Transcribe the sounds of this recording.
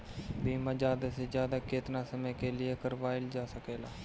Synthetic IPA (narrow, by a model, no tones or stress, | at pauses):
biːmãːd͡ʒaːd̪ased͡ʒjaːd̪aːkeːt̪naːsəmɛ̃ːkelɪekəɾʋaːɪld͡ʒaːsəkeːlaː